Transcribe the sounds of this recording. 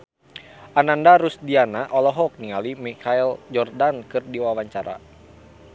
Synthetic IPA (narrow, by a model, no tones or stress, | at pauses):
ʔanandaɾusdianaʔɔlɔɦɔk̚niŋalimikʰaild͡ʒɔrdankɨrdiwawaɲt͡ʃaɾa̰